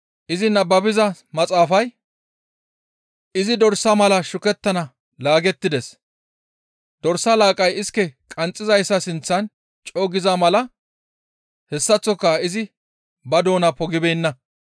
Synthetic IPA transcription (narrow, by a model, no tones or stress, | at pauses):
ʔɪzɪnɐbːɐbɪzɐmɐt͡sʼaːfɐj | ɪzɪd̪ɔɾsːɐmɐlɐʃʊkɛt̪ːɐnɐ | laːɡɛt̪ːɪd̪ɛs | d̪̥ɔɾsɐlaːkʼɐjɪskːɛkʼɐnt͡sʼːɪzɐjsːɐsɪnt͡sːɐn | t͡ʃʼoːɡɪzɐmɐlɐ | hɛsːɐt͡sːɔkːɐɪzɪ | bɐd̪o̞ːnɐpɔɡɪbɛjnːɐ